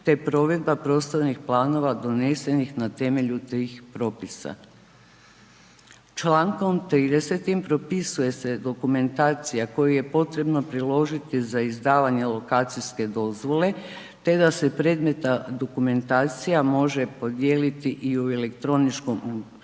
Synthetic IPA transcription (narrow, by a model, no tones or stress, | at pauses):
t̪e̞pɾo̞ʋe̞d̪̚bapɾo̞st̪ojnixplˠaːno̞ʋad̪o̞nese̞nixnat̪e̞me̞ʎut̪iːxpɾo̞pisa̰ | t͡ʃlaːŋko̞mt̪ɾiːd̪e̞se̞t̪impɾo̞pisuje̞se̞d̪o̞kume̞nt̪aːt̪sijako̞juje̞po̞t̪ɾe̞bno̞pɾilˠo̞ʒit̪izaizd̪aːʋaɲe̞lˠo̞kaːt̪sijske̞d̪o̞zʋo̞le̞ | t̪e̞d̪ase̞pɾe̞ːd̪me̞t̪ad̪o̞kume̞nt̪aːt̪sijamo̞ʒe̞po̞d̪je̞ːlit̪iʔiuele̞kt̪ɾo̞nit͡ʃko̞mu